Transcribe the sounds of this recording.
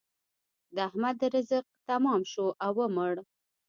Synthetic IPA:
d̪əahmad̪ɾɪzəq̚t̪amɑmʃoʔawəmʊɽ

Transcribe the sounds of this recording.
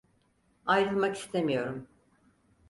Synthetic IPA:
ajɾɯmaki̥st̪ʰe̞mijo̞ɾum

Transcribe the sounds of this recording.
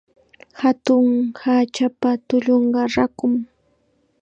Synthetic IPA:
hat̪ʊŋhaːt͡ʃapat̪ʊʎoɴɢɑɾakʊm

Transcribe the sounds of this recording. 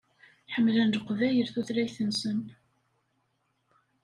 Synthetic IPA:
ħəmːlænd̪əqːvæjəɾθuθɾæjθənsən

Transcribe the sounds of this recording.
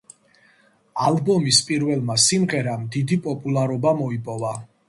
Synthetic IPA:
alˠbɔmispʼiɾvɛlˠmasimʁɛɾamd̪id̪ipʼɔpʼulˠaɾɔbamɔipʼɔva

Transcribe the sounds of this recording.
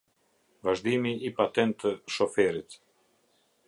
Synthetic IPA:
vaʒd̪imiipat̪ɛnt̪ːəʃɔfɛɾit̪

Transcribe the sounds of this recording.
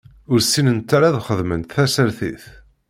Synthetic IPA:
ʊɾsinənt̪ːaɾaðχəðmənt̪θæsəɾθḭθ

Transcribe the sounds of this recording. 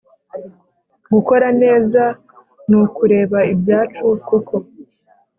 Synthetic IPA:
ɡuko̞ɾane̞ːza | nukuɾe̞ːβaibjaːt͡ʃukukʰo̞

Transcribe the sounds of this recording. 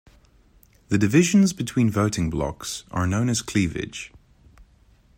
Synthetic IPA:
ðədɪvɪʒə̃nzbɪtʰw̥ĩːnvəʊtɪ̃ŋblɒ̰ksə̰˞nə̃ʊ̃nəz̥kʰl̥iːvɪ̰d̥ʒ̥

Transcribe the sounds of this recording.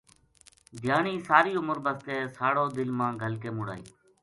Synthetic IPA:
d̪ʱɪjaːɳiːsaːɾiːʊməɾbəst̪eːsaːɽoːd̪ɪlmãːɡʱəlkeːmʊɽa̰ːḭː

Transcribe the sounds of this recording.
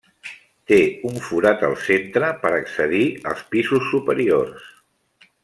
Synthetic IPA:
t̪euɱfuɾat̪ə̰lˠsent̪ɾəpəɾəksəðiə̰lˠspizusːupəɾiors

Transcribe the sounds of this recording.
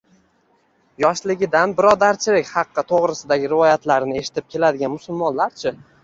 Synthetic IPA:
jɒʃlɪɡʲɪd̪anbɪɾɒd̪aɾt͡ʃʰɪlɪkʲχɑqːɨt̪ʰoʁɾɪsɪd̪aɡʲɪɾɪvɒjat̪laɾnɪe̞ʃɪ̥t̪ɪp̚kʲʰe̞lad̪ɪɡʲanmʊsʊlˠmɒnlaɾt͡ʃʰɪ

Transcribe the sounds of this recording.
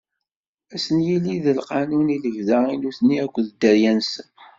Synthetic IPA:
æsənjilːiðəlqɑnuniləvðəinuθniækʷːðd̪ːəɾjænsə

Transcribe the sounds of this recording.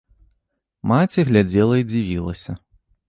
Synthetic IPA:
mat͡sʲiɣlʲad͡zʲɛlˠɐid͡zʲivʲilˠɐ̰sʲɐ

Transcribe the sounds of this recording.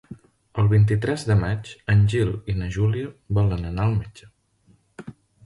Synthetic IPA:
əlˠβint̪̬it̪ɾɛzðəmat͡ʃənʲʒilinəʒuliəβɔlənənaəlˠmed͡ʒə

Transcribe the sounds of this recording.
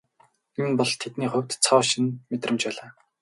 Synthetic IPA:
emnpɔɮt̪ʰet̪niːχʊ̟wʲt̪t͡sʰɔːwʃĭnmet̪rə̆mt͡ɕpæːɮaː

